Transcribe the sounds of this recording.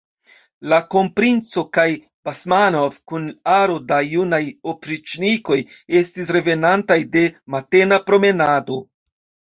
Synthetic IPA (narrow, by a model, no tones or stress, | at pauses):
lako̞mpɾint͡so̞kaj | b̥asmano̞vkunaɾo̞dajunajopɾit͡ʃniko̞je̞stis̬ɾe̞ve̞nantajde̞mate̞napɾo̞me̞nado̞